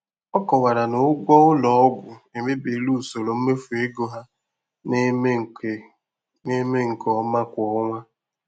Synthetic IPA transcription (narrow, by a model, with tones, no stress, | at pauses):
ɔ˦kɔ˨wa˨ɾa˨no˨ʊ˦ɡʷɔ˦ʊ˦lɔ˨ɔ˦ɡʷʊ˨e˨me˦be˨˦lu˦˨so˨ɾo˨m̩˦me˦fu˨e˦ɡo˦ɦa˦ | n˦˨ | ne˦me˦ŋ̩˨kɔ˦ma˦kʷɔ˦ŋʷa˦